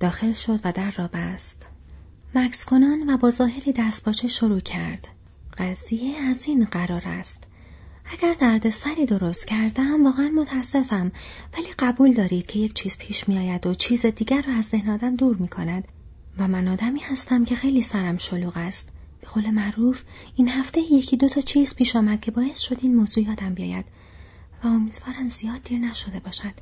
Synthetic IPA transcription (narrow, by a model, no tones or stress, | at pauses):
d̪̥ɒːxe̞lʃo̞d̪væd̪æɾːɒːbæst̪ | mækskʰo̞nɒːnvæbɒːzɒːɦe̞ɾiːd̪æst̪bɒːt͡ʃʰeʃo̞ɾuːcʰæɾd̪̥ | ɢ̥æz̥ijeæziːnɢæɾɒːɾæ̰st̪ | æɟæɾd̪æɾd̪e̞sæɾiːd̪o̞ɾo̞st̪cʰæɾd̪æmvɒːɣeænmot̪ʰæsːe̞fæmvæliːɢæbuːld̪ɒːɾiːd̪̥cʰe̞je̞cʰt͡ʃʰiːz̥pʰiːʃmijɒːjæd̪o̞t͡ʃʰiːzed̪iːɟæɾːɒæzd̪ehnɒːd̪æmd̪uːɾmiːkʰo̞næd̪̥ | væmænɒːd̪æmiːhæst̪æmcʰe̞xe̞jliːsæɾæmʃo̞luːɣæst̪ | b̥e̞ɣ̥oːle̞mæɾuːfiːnhæft̪e̞jjecʰiːd̪o̞t̪ʰɒːt͡ʃʰiːz̥pʰiːʃɒːmæd̪̥̚cʰe̞bɒːje̞st̪ʃo̞d̪iːnmo̞ːz̥uːjɒːd̪æmbijɒ̰ːjæ̰d̪̥ | væo̞miːd̪̥vɒːɾæmz̥ijɒːd̪̚ːiːɾnæʃo̞d̪e̞bɒːʃæd̪̥